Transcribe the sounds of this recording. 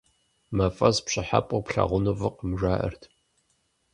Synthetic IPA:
mɐfʼɐzpɕɪħa̰pʼʊpɬɐ̰ʁʷʊnuvɨqəmʒʷaːʔɐ̰rtʰ

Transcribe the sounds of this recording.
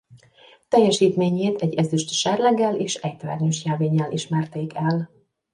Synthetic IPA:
t̪ɛjːɛʃiːt̪meːɲeːt̪ɛɟːɛzyʃt̪ʃɛrlɛɡːɛleːʃɛct̪vɛ̰rnyʃjɛlveːɲːɛlʔiʃmɛrt̪eːkʰɛl

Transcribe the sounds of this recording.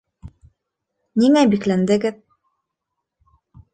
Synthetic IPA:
niŋæbiklænd̪ɘ̆ɡɘð

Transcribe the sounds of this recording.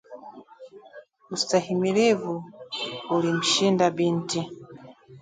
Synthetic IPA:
ustahimilivu | ulim̩ʃindabinti

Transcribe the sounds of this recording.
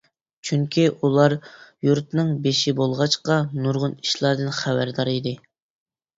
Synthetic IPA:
t͡ʃʰyŋkʲʰiʔulˠɑɾjuɾt̪nɨŋbeʃibolˠʁɑt͡ʃqɑnuɾʁʊni̥ʃlˠɑɾd̪ɨnχæbæɾd̪ɑɾid̪ɪ

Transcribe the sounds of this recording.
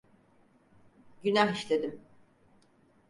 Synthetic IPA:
ɟynaɦiʃlʲed̪im

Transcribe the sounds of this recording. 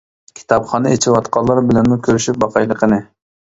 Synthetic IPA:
kʲʰi̥t̪ʰɑpχɑnɨet͡ʃʰiwɑt̪qʰɑlˠːɑɾbɪlɛnmukʲʰøɾyʃyp̚bɑqʰɑjlˠəqənɨ

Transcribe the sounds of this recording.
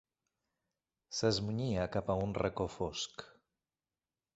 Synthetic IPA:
səzmuɲiakapaunrəkofosk

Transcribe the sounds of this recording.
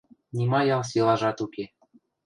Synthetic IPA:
nʲimɑjɑlˠs̬elˠɑʒɑt̪uke

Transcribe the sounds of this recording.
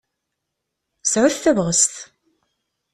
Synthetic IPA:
sʕʊθθævʁəst̪

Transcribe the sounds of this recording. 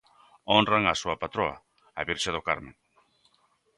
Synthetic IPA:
onraŋasuapat̪ɾoa̰ | aβiɾʃaðokaɾmẽŋ

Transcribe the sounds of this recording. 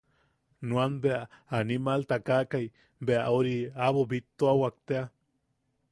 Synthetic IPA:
nuanbeaanimalt̪akakaj | beaʔoɾiaβobit̪ːoawak̚t̪ea

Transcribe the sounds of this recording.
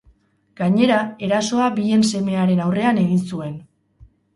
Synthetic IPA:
ɡ̥aɲe̞ɾae̞ɾaso̞abie̞nse̞me̞aɾe̞nawre̞ane̞ɣinsue̞n

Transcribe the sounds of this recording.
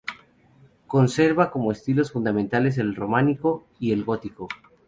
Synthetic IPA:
ko̞nse̞ɾβako̞mo̞est̪ilo̞sfund̪amẽnt̪ale̞s̬e̞lro̞maniko̞ | ie̞lɣo̞t̪iko̞

